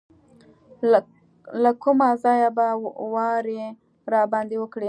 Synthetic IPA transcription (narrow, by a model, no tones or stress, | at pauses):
lakumazɑjabawɑɾe | ɾɑbɑnd̪ewəkɽe